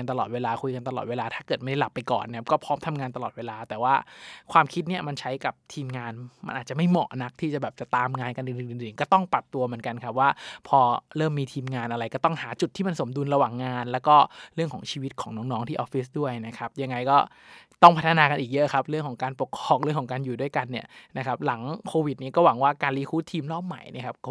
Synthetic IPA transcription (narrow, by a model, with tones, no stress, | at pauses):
a˧nt̪a˧lɔː˨˩weː˧laː˧kʰu˧jka˧nt̪a˧lɔ̰ː˨˩t̪̚eː˧laː˧t̪ʰaː˥˩kɤː˨˩t̪ma˥˩da˥˩la˨˩pːa˧jkɔ̰ː˨˩nːaa˥kɔː˥˩pʰɔː˦˥mt̪ʰa˧mŋaː˧nt̪a˧lɔː˨˩weː˧laː˧t̪ɛː˨˩waː˥˩kʰwaː˧mkʰi˦˥t̪̚ni˥˩ɐma˧nt͡ɕʰa˦˥jka˨˩p̚t̪ʰiː˧mŋaː˧nma˧nʔaː˨˩t̪̚t͡ɕa˨˩ma˥˩jmɔ̰˨˩ʔna˦˥k̚t̪ʰiː˥˩t͡ɕa˨˩bɛː˨˩p̚t͡ɕa˨˩t̪aː˧mŋaː˧nka˧nʔɯ˧nʔɯː˨˩nʔɯː˨˧nʔɯː˨˩nkɔː˥˩t̪ɔ˥˩ŋpɾa˨˩p̚t̪u˧mɯ˩˦ənka˧nkʰa˦˥p̚waː˥˩pʰɔː˧ɾɤː˥˩mːiː˧t̪ʰiː˧mŋaː˧nʔa˧ɾa˧jkɔː˥˩t̪ɔ˥˩ŋhaː˩˦t͡ɕu˨˩t̪ʰːiː˥˩ma˧nso˩˦mdu˧nɾa˧waː˨˩ŋːaː˧nlɛː˦˥wkɔː˥˩ɾɯ˥˩əŋkʰɔː˩˦ŋt͡ɕʰiː˧wi˦˥t̪̚kʰɔː˩˦ŋnɔː˦˥ŋnɔː˦˥ŋt̪ʰiː˥˩ʔɔː˦˥fi˦˥s̬du˥˩əjna˦˥kʰa˦˥p̚ja˧ŋːa˧jkɔː˥˩ | t̪ɔ˥˩ŋpʰa˦˥t̪ʰːa˧naː˧ka˧nʔiː˨˩k̚jɤ˦˥ʔkʰa˦˥p̚ɾɯ˥˩əŋʰɔː˩˦ŋkaː˧npo˨˩kʰːɔː˧˩ŋɾɯ˥˩əŋʰɔ˩˦ŋkaː˧njuː˨˩du˥˩əjka˧nːi˥˩ɐna˦˥kʰa˦˥p̚la˩˦ŋkʰoː˧wi˨˩t̪̚ni˦˥kɔː˥˩wa˩˦ŋwaː˥˩kaː˧nliː˦˥kʰuː˦˥t̪ʰiː˧mlɔː˥˩p̚ma̰˨˩jnḭ˦˥˩ɐkʰa˦˥p̚kɔ˥˩